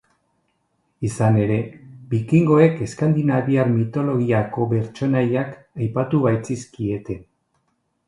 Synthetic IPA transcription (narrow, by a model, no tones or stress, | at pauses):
isane̞ɾe̞bikiŋɡo̞e̞ke̞skand̪inaβiaɾmit̪o̞lo̞ɣ̞iako̞βe̞ɾt͡ʃo̞najak | ajpat̪uβajt͡siskie̞t̪e̞